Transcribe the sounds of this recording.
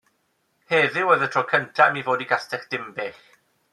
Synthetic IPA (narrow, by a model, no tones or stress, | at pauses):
heːðɪwəðətʰrɔkʰəntʰamivoːdiɡastɛχd̥ɪmbɪχ